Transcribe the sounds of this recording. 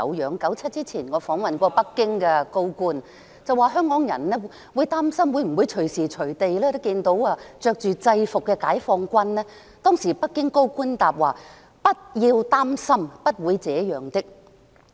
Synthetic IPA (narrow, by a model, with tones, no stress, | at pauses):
ɐ̰˨˧wjœː˨˧ŋkɐ˨˥wt͡sʰɐ˥t̚t͡siː˥t͡sʰiː˨˩nŋɔː˨˧fɔː˨˥ŋwɐ˨nkʷɔː˧pɐ˥kːɪ˥ŋkɛː˧ko˥wkuː˥n | t͡sɐ˨waː˨ɦœː˥ŋkɔː˨˥ŋjɐ˨˩nnɛː˥ | wuː˨˧jt̪aː˥msɐ˥mwu˨˧jm̩˨˩wu˨˧jt͡ʃʰɵ˨˩siː˨t͡ʃʰɵ˨˩ɥt̪e˨jlɛː˥t̪o˥kiː˧nt̪o˨˥wɐː˧t͡ʃœː˨k̚t͡ʃyː˨t͡sɐ˧jfʊ˨kːɛː˧kaː˨˥jfɔː˧ŋkʷɐ˥nlɛː˥ | t̪ɔː˥ŋsiː˨˩pɐ˥kːɪ˥ŋko˥wkuː˥nt̪aː˨p̚waː˨˩ | pɐ˥t̚jiː˧wt̪aː˥msɐ˥mpɐ˥t̚wuː˨˧jt͡sɛː˨˥jœː˨˩ŋt̪ɪ˥k̚